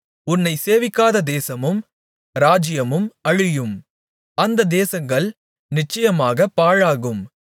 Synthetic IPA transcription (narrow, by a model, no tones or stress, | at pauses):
ʊnːɐɪseːʋɪkːaːðɐd̪eːsɐmɯm | ɾaːd͡ʒɪjɐmɯmɐɻɪjɯm | ɐnd̪ɐd̪eːsɐŋɡɐɭ | nɪt͡ʃːɐjɐmaːɣɐpːaːɻaːɣɯm